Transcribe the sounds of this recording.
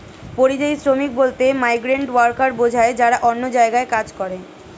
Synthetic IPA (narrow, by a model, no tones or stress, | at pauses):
poɾid͡ʑajsɾomik̚bolt̪emajɡɾeɳʈwaɾkaɾbod͡ʑʱaed͡ʑaɾaʔonːod͡ʑaeɡaekad͡ʑkɔɾe